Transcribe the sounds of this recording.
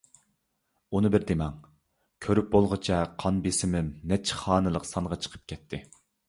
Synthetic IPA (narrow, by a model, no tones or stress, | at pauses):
unɨbɪɾd̪emɛŋ | kʲʰøɾyp̚bolˠʁɨt͡ʃʰɛqʰɑnbesɪmɪnːɛt͡ʃʰːχɑːnɨlˠəqsɑɴʁɑt͡ʃʰə̥qʰə̥p̚kʲʰɛt̪ʰːɪ